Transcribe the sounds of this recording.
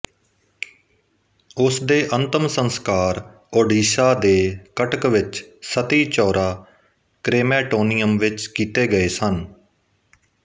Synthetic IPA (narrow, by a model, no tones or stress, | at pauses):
ʊsd̪eːʔənt̪əmsənskaːɾ | oːɖiːsaːd̪eːkəʈəkʋɪt͡ʃsət̪iːt͡ʃɔːɾaː | kɾeːmɛːʈoːnijəmʋɪt͡ʃkiːt̪eːɡəeːsən